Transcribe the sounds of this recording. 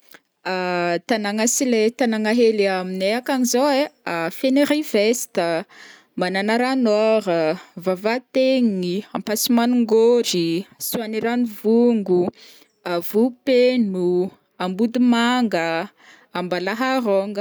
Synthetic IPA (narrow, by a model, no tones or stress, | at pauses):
at̪anaŋasilet̪anaŋaɦeliamineakaŋizoeafeneɾiv̥est̪ə | mananaɾanɔɾəvavat̪eŋiampasimanuŋɡoɾisuaniɾanivuŋɡu | avupenu | ambud̪umaŋɡə | ambalaɦaɾoŋɡə